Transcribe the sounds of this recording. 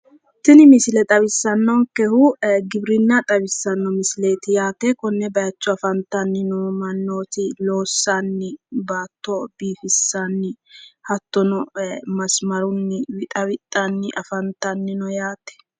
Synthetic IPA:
t̪ɪnɪmɪsɪlɛt̪ʼɐβɪsːɐnːɔŋkɛhʊɡɪbɾɪnːat̪ʼɐbɪsːɐnːɔmɪsɪle̞ːt̪ɪjaːt̪ɛkɔnːɛbɐjɐt͡ʃːɔɐfɐnt̪ːɐnːɪnɔmɐnːoːt̪ɪlo̞ːsːanːɪbaːt̪ːɔbiːfɪsːanːɪhɐt̪ːɔnɔmɐsmɐɾʊnːɪwɪt̪ʼɐwɪt̪ʼːɐnːɪʔɐfɐnt̪ɐnːɪnɔjaːt̪ɛ̥

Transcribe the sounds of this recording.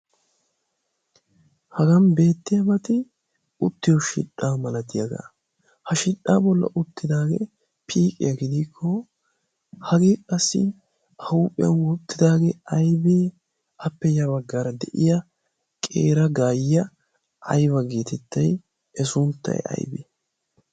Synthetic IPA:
hɐɡɐnbe̞ːt̪ːɪjɐmɐt̪ɪ | ʊt̪ːɪjɔʃɪ̰ᶑːaːmɐlɐt̪ɪjɐɡɐ̰ | hɐʃɪᶑaːbɔlːɐ̰ʔʊt̪ːɪd̪aːɡḛ | pʰiːkʼɪ̰jɐɡɪd̪iːkʰːɔ | hɐɡeːkʼɐsːɪ̰ | ʔɐuːpʼːɪjɐ̰nwɔt̪ːɪd̪aːɡeɐjbeː | ɐpːɛjɐbɐɡːaːɾɐd̪ɛʔɪjɐ | kʼḛːɾɐɡaːjɪjɐ | ʔɐ̰jβɐɡeːt̪ɛt̪ːɐj | ɛsʊnt̪ːɐ̰jɐ̰jbḛː

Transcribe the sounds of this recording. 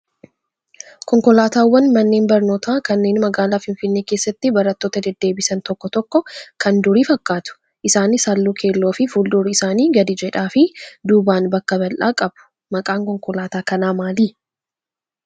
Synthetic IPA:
kɔŋkɔlaːt̪aːwːɐnmɐnːe̞ːnbɐɾno̞ːt̪aːkɐnːe̞ːnmɐɡaːlaːfɪnfɪnːe̞ːke̞ːsːɐt̪ːɪbɐɾɐt̪ːo̞ːt̪ɐd̪ɛd̪ːe̞ːbɪsɐnt̪ɔkːɔt̪ɔkːɔkɐnd̪ʊɾiːfɐkːaːt̪ʊ̥ | ʔɪsaːnɪsalːuːkʰe̞ːlːoːfɪfuːld̪uːɾʊɪsaːniːɡɐd̪ɪd͡ʒɛᶑaːfɪd̪uːbaːnbɐkːɐbɐlʔa̰ːkʼɐbʊ̥ | mɐkʼaːŋkɔŋkɔlaːt̪aːkɐnaːmaːliː

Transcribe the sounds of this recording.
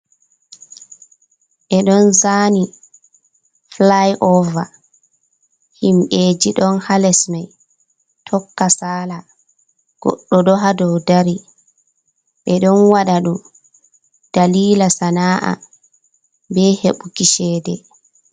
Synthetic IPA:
ʔɛɗɔnzaːni | flajʔɔva̰ | himʔeːd͡ʒiɗɔnhalɛsmaj | tʰɔkːasaːla | ɡ̥ɔ̰ɗːɔɗɔɦadɔwdaɾi | ʔɛɗɔnwaɗaɗum | d̥aliːlasanaːʔa̰ | bɛheɓukiʃɛːdɛ

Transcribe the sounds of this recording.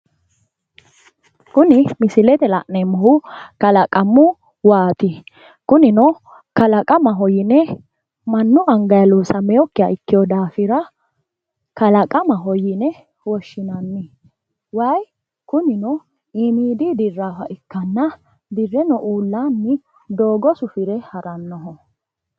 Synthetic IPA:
kʊnɪmɪsɪlɛt̪ɛlɐ̰ʔnɛmɔhʊkɐlɐkʼɐmːʊ | waːt̪ɪ | kʊnɪnɔ | kɐlɐkʼɐmɐɦɔjɪnɛ | mɐnːʊɐŋɡɐjɐloːsɐmɛjɔkːɪjɐ̰ɪkːɪjɔd̪aːfɪɾɐ | kɐlɐkʼɐmɐɦɔjɪnɛ | wɔʃːɪnɐnːɪ | wɐj | kʊnɪnɔ | ɪmiːd̪id̪ɪrːaːfɐʔɪkːɐnːɐ | d̪ɪrːɛnɔʔuːlːaːnːɪ | d̪oːɡɔsʊfɪɾɛhɐɾɐnːɔɦɔ

